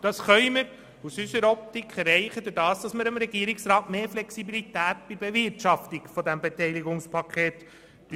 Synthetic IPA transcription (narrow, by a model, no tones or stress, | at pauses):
d̥ɑsχœʏməɾ | usysəɾɔp̚t̪ikʰχɛɾɛɪχəd̪ʊd̥ɑːsd̥ɑsməɾəmɾɛɡiəɾiksɾɑːtmeːɾflɛksibilit̪æːt̚b̥ɪɾbevɪɾtʃɑftiɡfɔdæmbetɛɪliɡʊŋspʰɑkʰχeːt̪